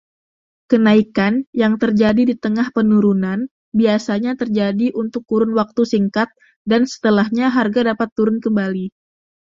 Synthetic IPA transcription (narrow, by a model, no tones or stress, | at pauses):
kənaikanjaŋt̪ərd͡ʒadidit̪əŋahpənuɾunan | biasaɲat̪ərd͡ʒadiʔunt̪ʊk̚tuɾʊnwak̚t̪usiŋkat̪̚ | dansə̥t̪əlahɲaɦarɡadapat̪ːuɾʊnkəmbali